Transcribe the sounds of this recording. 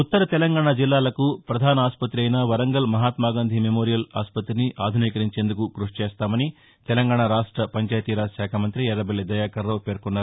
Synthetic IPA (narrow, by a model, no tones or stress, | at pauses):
ut̪ːɐɾɐt̪ɛlɐŋɡaːɳaːd͡ʒilːaːlɐkupɾɐd̪ʱaːnɐaːspɐt̪ːɾiɐjnɐʋɐɾɐŋɡɐlmɐɦaːt̪maːɡaːnd̪ʱimemo̞ːɾijɐlaːspɐt̪ɾiniʔaːd̪ʱuniːkɐɾiɲt͡ʃeːnd̪ukuɡɾuʂt͡ʃeːst̪aːmɐni | t̪ɛlɐŋɡaːɳaɾaːʂʈɾɐpɐɲt͡ʃaːjt̪iːɾaːsaːkʰɐmɐnt̪ɾiɛɾːɐbɐlːed̪ɐjaːkɐɾːɐːpe̞ːɾkunːaːɾ